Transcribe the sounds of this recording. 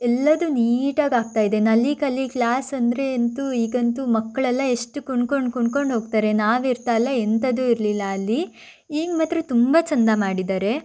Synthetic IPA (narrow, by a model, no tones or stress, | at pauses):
ɛlːɐd̪uniːʈaːɡaːɡ̚t̪aːjid̪e̞nɐlːikɐlːiklaːsɐnd̪ɾe̞ːnt̪uiːɡɐnt̪umɐkːɐɭɐlːɐeʂʈukuɳkoɳɖkuɳɖko̞ɳɖʱɦo̞ːɡt̪aːɾe̞naːʋiɾt̪alːɐent̪ɐd̪uiɾlilːɐːlːi | iːɡmɐt̪ːɾet̪umbat͡ʃɐnd̪amaːɽid̪aːɾe̞